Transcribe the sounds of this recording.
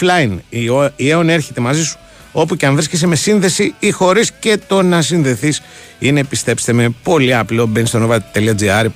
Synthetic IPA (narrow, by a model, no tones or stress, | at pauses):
lɐinieone̞ɾçe̞t̪e̞mɐzisu̥ | o̞puceɐɱvɾisces̬eme̞sinðe̞siixo̞ɾisce̞t̪o̞nɐs̬inðe̞θis | ine̞pist̪e̞pst̪eme̞po̞liɐplo̞benist̪onovɐt̪eliɐd͡ziɐɾ